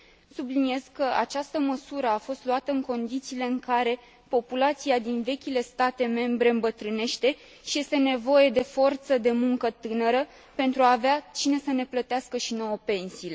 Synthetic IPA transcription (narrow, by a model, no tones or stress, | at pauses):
sublinie̞z̥kəa̰t͡ʃast̪əməsuɾəafo̞st̪luat̪əɨŋko̞nd̪it̪siːle̞ɨŋkaɾe̞ | po̞pulat̪siad̪inve̞kʲile̞st̪at̪e̞me̞mbɾe̞ɨmbət̪ɾɨne̞ʃt̪e̞ | ʃije̞st̪e̞ne̞vo̞je̞d̪e̞fo̞rt̪səd̪e̞muŋkət̪ɨnəɾə | pe̞nt̪ɾuaːveat͡ʃine̞səne̞plət̪easkəʃino̞wope̞nsiːle̞